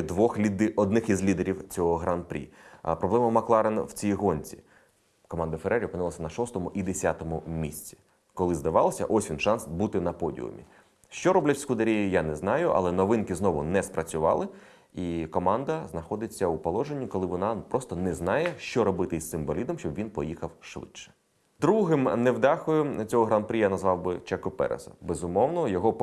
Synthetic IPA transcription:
d̪ʋɔxʲid̪ɔd̪nɪxizlʲid̪eɾʲiwt͡sʲɔɦɔɦɾɑnpɾʲḭpɾɔblˠɛmɐmɐklˠɑɾenwt͡sʲijiɦɔnʲt͡sʲi | kɔmɑnd̪ɐfeɾɛɾʲiɔpɪnɪlˠɐsʲɐnɐʃɔst̪ɔmʊʔid̪esʲat̪ɔmʊmʲisʲt͡sʲi̥ | kɔlˠɪzd̪ɐʋɑlˠɐsʲɐ̰ʔɔsʲʋʲinʃɑnsbut̪ɪnɐpɔdʲḭʊ̰mʲḭ | ʃt͡ʃɔɾɔblʲɛt͡ʃʲsʲkʊd̪ɐɾʲijʊjanɛznɑjʊʔɐ̰lˠɛnɔʋɪnkɪznɔʋʊnɛspɾɐt͡sʲʊʋɑ̰lˠɪ | ikɔmɑnd̪ɐznɐxɔd̪ɪt͡sʲːɐupɔlˠɔʒenʲːikɔlˠɪʋɔnɑpɾɔst̪ɔnɛznɑjɛʃt͡ʃɔɾɔbɪt̪ɪsɪmbɔlʲid̪ɔmʃt͡ʃɔbʋʲinpɔjixɐwʃʋɪ̰ʃɛ̥ | d̪ɾuɦɪmnɛwd̪ɑxʊjʊt͡sʲɔɦɔɦɾanpɾʲijanɐzʋɑwbɪt͡ʃɛkʊpɛ̰ɾḛzɔ̰bezʊmɔwnɔjɔɦɔ

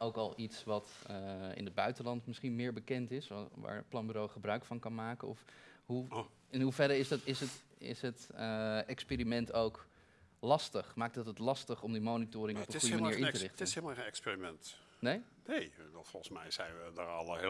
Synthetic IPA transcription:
owkɑlˠitsʋɑtəɪ̰nɦəd̚bœɥtəlɑntmɪsχinmɪːɹbəkɛntɪsʋa̰ːɹplɑnbyɾowχəbrœɥkfɑnkɑnmaːkənɔfɦu | ɪnɦuvɛɾəɹɪstɪsət | ɪ̰sɦətɛkspeːɾimɛntowk | lɑstəχmaːk̚tətɦətlɑstəχɔmdimonitʊːɾɪŋɔpə̃nχsujəmaiːɹɪntərɪχtɪnhelˠmaenɛksperimɛnt | nej | nejʋɛlˠfɔlˠχənsmɛjz̥ɛjnʋədəɹɑ̰lˠəe

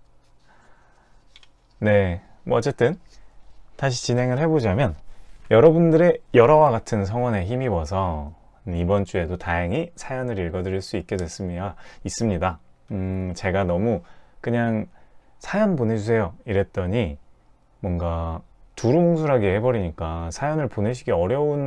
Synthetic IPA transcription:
ne̞ | mʌʌt͡ɕ͈e̞t͈ɯn | taɕ̬ʰi̥t͡ɕinɦe̞ŋɯɭhe̞bod͡ʑamjʌnjʌɾʌbundɯɾe̞jʌɾʌwaɡatʰɯns̬ʰʌŋwʌne̞çimiwʌsʰʌ | ibʌnt͡ɕ͈ue̞dotajaŋisʰajʌnɯɾiɭɡʌdɯɾiɭs͈uik͈̚e̞dwe̞s͈ɯmiais͈ɯmɲidaɯt͡ɕe̞ɡanʌmukɯɲaŋsʰajʌnpone̞d͡ʑus̬ʰe̞joiɾe̞t͈̚ʌɲi | mwʌnɡatuɾuoŋsʰuɾaɡehe̞bʌɾiɲik͈asʰajʌnɯɭpone̞ɕ̬ʰiɡeʌɾjʌun

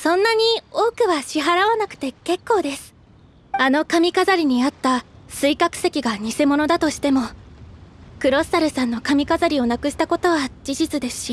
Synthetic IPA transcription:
sõ̞nːaɲ̟io̞ːkɯ̟βaɕiɦaɾaβanakɯ̟̥t̪e̞ke̞kːo̞ːd̪e̞sɨ̥ | ano̞kamʲikazaɾʲiɲ̟iat̪ːasɨikakɯ̟̥se̞kʲiɡaɲ̟ise̞mo̞no̞d̪at̪o̞ɕi̥t̪e̞mo̞ | kɯ̟ɾo̞sɨ̥t̪aɾɯ̟sãnːo̞kamʲikazaɾʲio̞nakɯ̟ɕi̥t̪ako̞t̪o̞βad͡ʑiʑit͡sɨd̪e̞sɨ̥ɕi

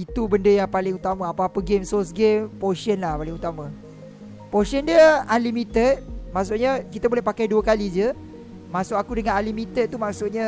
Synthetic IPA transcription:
it̪ubəndəjaŋpalɪŋut̪amãapaːpəɡemsɔsɡempoʃənlahpalɪŋut̪amã | poʃəndiəanlimĩt̪ət̪̚maʔs̬ʊʔɲakit̪abolɛhpakajduəkalid͡ʒə | masʊʔakudəŋãnanlimit̪ət̪̚t̪umaʔsʊʔɲã

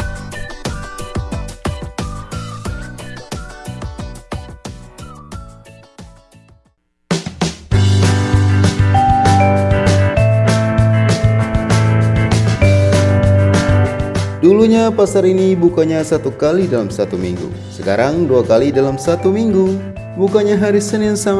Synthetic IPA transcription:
duluɲapasaɾinibukaɲasat̪ukalidalamsat̪umḭŋɡṵ | səkaɾaŋduakalidalamsat̪umiŋɡu | bukaɲaɦaɾisənɪnsa

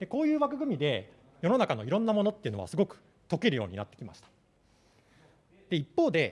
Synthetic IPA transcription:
d̪e̞ko̞ːjɯ̟ːβakɯ̟ɡɯ̟mʲid̪e̞ | jo̞no̞nakano̞iɾõ̞nːamo̞no̞t̪ːe̞iɯ̟no̞a̰sɨɡo̞kɯ̟̥ | t̪o̞kʲeɾɯ̟jo̞̰ːɲ̟ḭnat̪ːe̞kʲima̰ɕi̥t̪ḁ | d̪̥e̞ipːo̞ːd̪e̞

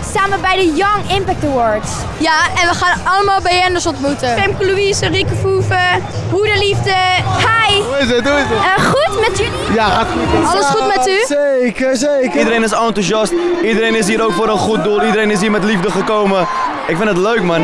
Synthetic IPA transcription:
staːməbɛjdəjɔŋɪmpɛk̚təwɔɹds | jaɛnʋəχaːnɑləmaːlˠbɛjɛndəsɔntmutəɛmkluisərikəfuːfəɦuɾəlifdəhajɪsət̚duɪsəχutmɛtyijaatɑləsχutmɛtysekəsekdəɾejnɪsɔntuʃɑstidəɾejnɪs̬ɦiːɾowkfoːɾənχut̚dulˠidəɾejnɪs̬ɦiːɹmɛtlivdəχəkowmə | ɪkfɪ̃ndətløɥkman

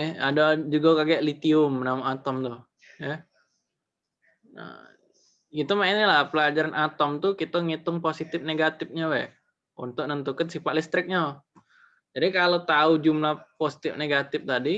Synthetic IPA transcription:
ɛhadad͡ʒuɡakaɡiaʔlit̪iʊmnamaat̪ɔmt̪ʊh | ja | ə̰ | ɡit̪umainilahpəlad͡ʒaɾanʔat̪ɔmt̪ukit̪aŋit̪ʊŋposit̪ɪfneɡat̪ɪp̚ɲawɛ̰h | unt̪ʊk̚nənt̪ukansifaʔlist̪ɾɪk̚ɲa | d͡ʒadikalot̪aud͡ʒumlahposi̥t̪ɪfneɡat̪ɪf̚t̪adi

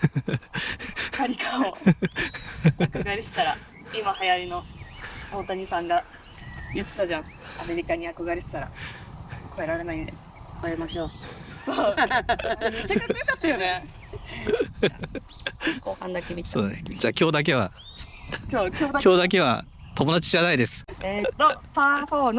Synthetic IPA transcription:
aɾʲikʰao | akoɡaɾʲisɨ̥t̪aɾa | imahajaɾʲino̞ | oːt̪aɲisãŋɡa | jɯt͡sɨ̥t̪ad͡ʑãŋ | ameɾʲikaɲ̟iako̞ɡaɾʲisɨ̥t̪aɾa̰ | ko̞e̞ɾaɾe̞naind̪e | koemaɕoːsoː | t͡ɕaaakat̪ːajone | koːhãnd̪akemʲit̪soːd̪ed͡ʑaːkʲo̞ːd̪ak̬e̞βa̰ | kʲoːkʲokʲo̞ːd̪ak̬e̞βa̰ | t̪o̞mo̞d̪at͡ɕiʑanaid̪e̞sɨ̥eopafoːn

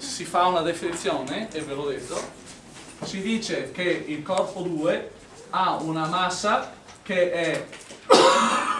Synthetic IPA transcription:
sifaunad̪efinit̪sːjɔːneevːelod̪et̪ːo | sid̪iːt͡ʃek̟eilkɔrpod̪uːe | aunamasːa | k̟eɛ

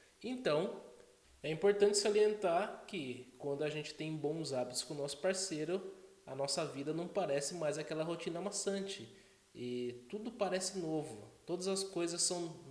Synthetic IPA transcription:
ẽnt̪ɐ̃w̃ | ɛĩpoɾt̪ɐ̃nt͡ʃɪ̥sɪaɾiẽnt̪aɾkɪkwɐ̃nd̪ʊaʒẽnt͡ʃɪ̥t̪ẽj̃bõw̃zabit̪ʊ̥skõnɔsʊ̥paɾsejɾʊ | ɐnɔsɐvid̪ɐnɐ̃w̃paɾɛsɪmajzakɛlɐɦot͡ʃĩnɐmasɐ̃nt͡ʃɪ | ɪt̪ud̪ʊpaɾɛsɪnovʊt̪od̪ɐzɐskojzɐsːɐ̃w̃

